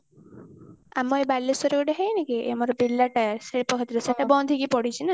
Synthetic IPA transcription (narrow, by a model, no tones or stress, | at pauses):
amɔebalːisɔɾekɔɖeɦejnakiḛmɔɾɔbilːaʈaɾsepɔkʰɔt̪iɾɔseʈabɔnd̪ʱikipɔɽit͡ʃʰina